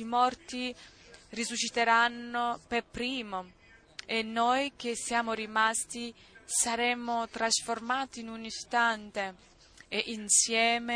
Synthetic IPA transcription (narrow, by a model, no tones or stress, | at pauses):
imɔrt̪i | risuʃːit̪eɾanːʊpepɾiːmo | enːojk̟esːjaːmʊrimast̪i | saɾɛmʊt̪ɾasformaːt̪iːnunist̪ant̪e | eʔinsjɛːme